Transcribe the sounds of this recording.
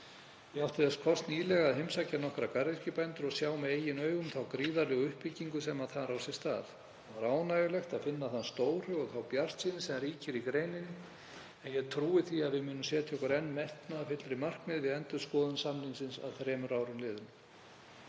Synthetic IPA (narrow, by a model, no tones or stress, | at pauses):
jɛawht̪ɪðɛskʰɔst̪niːlɛɣaðɦɪmsacanɔhkɾakaɾɪscɪpajnt̪ʏɾɔɣsjaːwmɛðeːjɪnœːɥɣʏmθawkɾiːðaɾlɛɣʏʏhpɪcːiŋkʏsɛmaðθaðɾawsjɛst̪a̰ːθ | ɾaːwnajʏlɛxt̪aðfɪnːaθanst̪oːwr̥hʏɣɔɣθawpjar̥st̪siːnɪsɛmriːcɪɾikɾeːjnɪnɪ | ɛnjɛɣt̪ʰɾuːɪθiaðvɪðmʏːnʏmsjɛːt̪ʰjɔkʏɾɛnːmɛht̪naːfɪt̪lɾɪmar̥kmɪðvɪðɛnt̪ʏɾskɔːðʏnsamninsɪnsa̰ðθɾɛːmʏɾaːwɾʏmlɪːðʏm